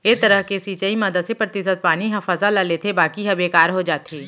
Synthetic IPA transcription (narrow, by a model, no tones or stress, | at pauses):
et̪ɐɾəɦkesiːt͡ʃəimɐd̪əsepɾɐt̪ɪsəd̪̚paːniɦɐfəzalaleːt̪ʰebaːkiɦɐbeːkaːɾɦod͡ʒaːt̪eː